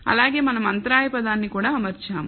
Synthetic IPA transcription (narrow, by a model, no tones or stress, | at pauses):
ɐ̰laːɡeːmɐnɐmɐnt̪ɾaːjɐpɐd̪aːnːikuːɽaɐmɐɾt͡ʃaːm